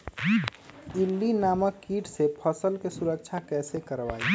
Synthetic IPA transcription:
ɪlːinaːməkːiːʈsepʰəsəlkesʊɾək̚t͡ʃʰakɛːsekəɾʋa̰ːi

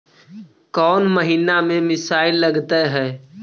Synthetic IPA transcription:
kɔːnməɦiːnamẽmɪsaːɪlːəɡt̪eɦɛː

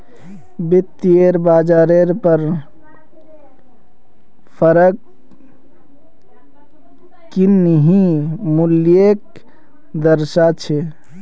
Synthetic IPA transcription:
bit̪ːieɾbad͡ʒaɾeɾpəɾ | pʰəɾək | kːinəɦĩmuljek̚ | d̪əɾsat͡ʃʰe

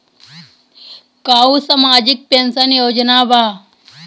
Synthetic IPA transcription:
kausamaːd͡ʑik̚pensənjod͡ʒnaba

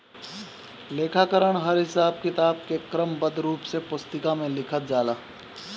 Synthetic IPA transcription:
leːkʰakəɾəɽ̃ɦəɾɦɪsaːb̚kɪt̪aːb̚kekɾəmbəd̪ɾuːpsepʊst̪ɪkamẽlɪkʰət̪̚d͡ʒaːlaː

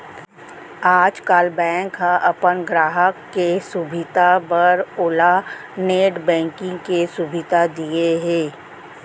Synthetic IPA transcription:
aːd͡ʒkaːlbɛ̃ːŋkɦãʔɐpənɡɾaːɦəkːesubɪd̪ʱabəɾoːla | neːʈbɛ̃ːŋkɪ̃ŋɡkesubʱɪd̪ʱad̪ieɦɛ̃ː

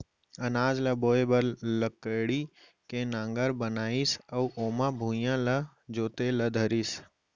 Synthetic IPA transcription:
ɐnaːd͡ʒlɐboːebəɾləkəːɽi | kẽnãːŋɡəɾbənaːisɐuʔoːmãːbʱuːjãlɐ | d͡ʒoːt̪eləd̪ʱəɾis

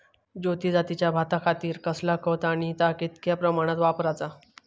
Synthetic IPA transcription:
d͡ʑot̪iːd͡zat̪it͡ɕjabʱat̪akʰat̪iːɾkəslakət̪aɽ̃it̪akit̪kjapɾəmaɽ̃at̪ʋapɾat͡sa

